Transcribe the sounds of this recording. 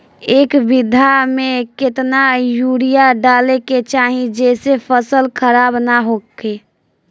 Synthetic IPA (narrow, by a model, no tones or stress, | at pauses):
eːkbɪd̪ʱamẽkɪt̪najuɽijaɖaːleket͡ʃaːɦĩd͡ʒɛːsepʰəsəlkʰəɾaːbnaɦoːke